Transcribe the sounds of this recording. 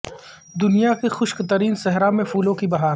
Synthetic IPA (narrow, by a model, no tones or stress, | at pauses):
d̪ʊnijakexʊʃkt̪ɐɾiːnsɛɦɾamẽfuːlõkibɐɦaːɾ